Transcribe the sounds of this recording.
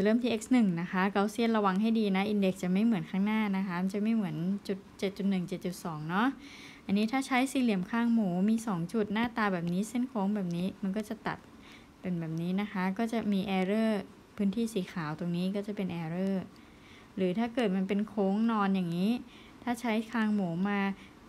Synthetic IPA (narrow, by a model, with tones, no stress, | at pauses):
t͡ɕa˨˩ɾɤː˥˩mt̪ʰiː˥ʔe˦˥k̚snɯ˨˩ŋna˦˥kʰa˦˥kaː˧wsi˥˩ənɾa˧wa˧ŋɦa˥˩jdiː˧na˦˥ʔi˧nde˨˩k̚t͡ɕa˨˩ma˥˩jmɯ˩˦ənkʰaː˥˩ŋnaː˥˩na˦˥kʰa˦˥ma˧nt͡ɕa˨˩ma˥˩jmɯ˩˦ənt͡ɕu˨˩t̪̚t͡ɕe˨˩t̪̚t͡ɕu˨˩t̪̚nɯ˨˩ŋt͡ɕe˨˩t̪̚t͡ɕu˨˩t̪̚sɔː˩˦ŋnɔ˦˥ʔ | ʔa˧nːiː˦˥t̪ʰaː˥˩t͡ɕʰa˦˥jsiː˧˦li˨˩əmkʰaː˥˩ŋmuː˩˦miː˧sɔː˩˦ŋt͡ɕu˨˩t̪̚naː˥˩t̪aː˧bɛː˨˩p̚niː˦˥si˥˩nkʰoː˧˦˥ŋbɛː˨˩p̚niː˦˥ma˧nkɔː˥˩t͡ɕa˨˩t̪a̰˨˩t̪̚ | pe˧nbɛː˨˩p̚niː˦˥na˦˥kʰa˦˥kɔː˥˩t͡ɕa˨˩miː˧ʔɛː˧ɾɤː˥˩ | pʰɯː˦˥nt̪ʰiː˥˩siː˩˦kʰaː˩˦wt̪o˧ŋniː˦˥kɔː˥˩t͡ɕa˨˩pe˧nʔɛː˧ɾɤː˥˩ | ɾɯː˩˦t̪ʰaː˥˩kɤː˨˩t̪̚ma˧npe˧nkʰoː˦˥ŋnɔː˧njaː˨˩ŋːiː˦˥ | t̪ʰaː˥˩t͡ɕʰa˦˥jkʰaː˥˩ŋmuː˩˦maː˧